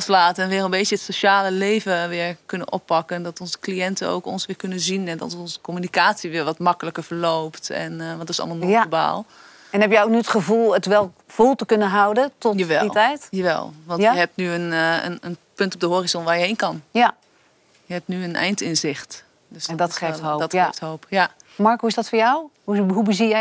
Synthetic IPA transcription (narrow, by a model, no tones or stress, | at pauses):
slaːtɛnʋɪːrənbejjəətsoʃaːləlejvəʋɪːɹkʏnə̰nʔɔ̰pːɑkəndɔtɔnzə̥klijɛntəo̰wkɔnsʋɪːɹkønənzinɛdɔ̰ɔnzəkɔmynikaːtsiʋɪɹʋɔtmɑkələkəɹvəɹlowptɛ̰nʋɑntɪsɑ̰lˠmalˠnɔoba̰ːlˠ | ɛnɦɛpjəok̚nyətχəvulˠətʋɛlˠ | v̥ulˠtəkɵnəɦawdətɔtjaʋɛ̰litɛjtjaʋɛ̰lˠʋɑ̃njəɦɛp̚tnyənə̰nənpɵntɔp̚dəɦoːrizɔnʋaːɹjəɦejnkɑnja | jəɦɛp̚tnyənɛ̰jntɪnzɪχt | døsdteftɦodɔteftɦowpjamɑɹkɦuɪsdɔtfʊːɹjawhuɦubəzijɛ